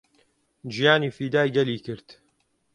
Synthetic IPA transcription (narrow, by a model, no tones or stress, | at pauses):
d͡ʒijaːniːfiːd̪aːjɡɐliːkɨɾt̪